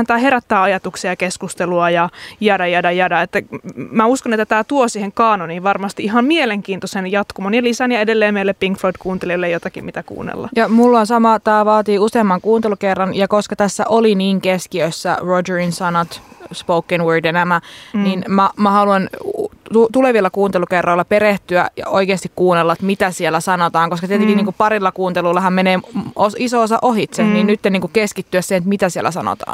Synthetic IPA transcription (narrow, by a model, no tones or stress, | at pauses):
nt̪æːheɾæt̪ːæːɑjɑt̪uksiɑɑkeskust̪eluɑjɑjædɑjɑdɑjɑdɑet̪ːæmæuskonet̪ːæt̪æːt̪uosiːheŋkɑːnoniːʋɑrmɑst̪iiɦɑmmieleŋkiːnt̪osenjɑt̪kumonjɑlisænjɑedelːeːmeilːeppiŋkfoidkuːnt̪eliolːejot̪ɑkimmit̪ækṵːnːḛlːɑ̰jɑmulːonsɑmɑt̪æːʋɑːt̪iːuseːmːɑŋkuːnt̪elukerːɑnjɑkoskɑt̪æsːæ̰ʔoliniːŋkeskiøsːæ̰rod͡ʒøɹinsɑnɑt̪spoukːenwøːdjɑnæmæninmæmæhɑluɑn | ut̪uleʋilːɑkuːnt̪elukerːˑoilːɑpeɾeht̪yæjɑ̰oikeːst̪ikkuːnelːɑt̪mit̪æsielːˑæsɑnot̪ɑːŋkoskɑt̪iet̪eŋkiniːŋkuppɑɾilːɑkuːnt̪eluilːɑhɑmmeneːosisoosɑ̰ʔohit̪seninnyt̪ːeniːŋkukeskit̪ːyæssenet̪mit̪æsiḛlʔæ̰sɑno̰t̪ɑ̰ːn